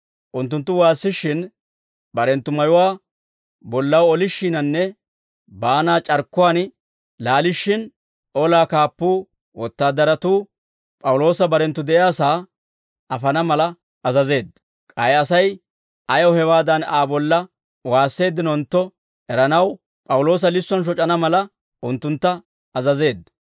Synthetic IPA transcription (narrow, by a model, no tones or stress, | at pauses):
ʔʊnt̪ːʊnt̪ːʊwaːsːɪʃːɪn | bɐɾɛnt̪ːʊmɐjʊwaː | bɔlːɐwɔlɪʃːiːnɐnːɛ | baːnaːt͡ʃʼɐɾkːʊwaːn | laːlɪʃːɪn | ɔlaːkaːpːuː | wɔt̪ːaːd̪ɐɾɐt̪uː | pʼɐwʊlo̞ːsɐbɐɾɛnt̪ːʊd̪ɛʔjaːsaː | ɐfɐnɐmɐlɐ | ɐzɐze̞ːd̪ːɐ | kʼɐjɐsɐj | ʔɐjɔhɛwaːd̪ɐnaːbɔlːɐ | waːsːe̞ːd̪ːɪnɔnt̪ːɔ | ɛɾɐnɐw | pʼɐwʊlo̞ːs̬ɐlɪsːɔnʃ̬ɔt͡ʃʼɐnɐmɐlɐ | ʔʊnt̪ːʊnt̪ːɐː | zɐze̞ːd̪ɐ